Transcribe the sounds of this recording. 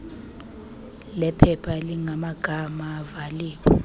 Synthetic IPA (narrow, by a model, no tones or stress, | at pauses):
lɛpʰɛpʰaliŋamaɡ̥ʱamaːvaliːkɛ